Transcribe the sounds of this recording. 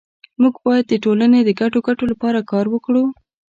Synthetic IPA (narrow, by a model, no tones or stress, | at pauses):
muɡbɑjad̪̚ːəʈolaned̪əɡaʈoɡaʈolapɑɾakɑɾwəkɽu